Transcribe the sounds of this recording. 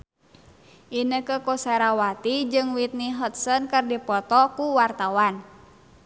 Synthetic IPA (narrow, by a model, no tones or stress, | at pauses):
ʔinəkəkosɛɾawat̪id͡ʒɨŋwit̪̚niɦət̪̚sənkərdipɔt̪ɔkuwart̪awan